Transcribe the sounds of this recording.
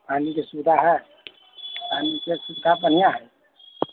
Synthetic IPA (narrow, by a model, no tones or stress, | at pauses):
panikesubd̪ʱaɦɛ | panikesubd̪ʱapənjaɦɛ